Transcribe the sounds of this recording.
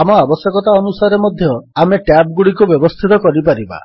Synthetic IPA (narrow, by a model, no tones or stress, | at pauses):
amɔabɔsjɔkɔt̪aɔnusaɾemɔd̪ʱjɔameʈjap̚ɡuɽikubjɔbɔst̪ʰit̪ɔkɔɾipaɾiba̰